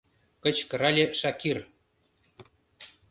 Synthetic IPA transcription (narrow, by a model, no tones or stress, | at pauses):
kɤ̆t͡ɕkɤ̆ɾɑlʲĕʃɑkir